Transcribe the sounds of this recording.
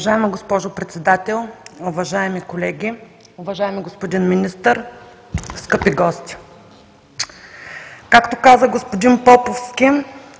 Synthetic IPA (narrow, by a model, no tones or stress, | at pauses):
ʒaɛmiɡospɔʒopɾɛt̪sɛd̪at̪ɛlˠʊvɐʒaɛmikolɛɡʲi | ʊvɐʒaɛmiɡospod̪inminist̪əɾ | skɤpiɡɔst̪ʲi̥ | kakt̪okazəɡospod̪inpɔpofskʲi